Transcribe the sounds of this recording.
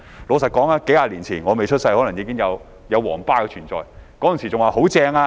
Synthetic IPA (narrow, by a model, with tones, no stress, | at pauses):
loː˨˧sɐ˨t̚kɔː˨˥ŋaː˧˥ke˨˥jaː˧liː˨˩nt͡sʰiː˨˩nŋɔː˨˧me˨jt͡ʃʰɵ˥t̚sɐ˧jhɔː˨˥lŋjiː˨˧kɪ˥ŋjɐ˨˧w | jɐ˨˧wwɔː˨˩ŋpaː˥kɛ˧t͡ʃʰyː˨˩nt͡sɔ̰ː˨jkɔː˨˥jnsiː˨˩t͡sʊ˨ŋwaː˨˧ho˨˥wt͡sɛː˧ŋaː˧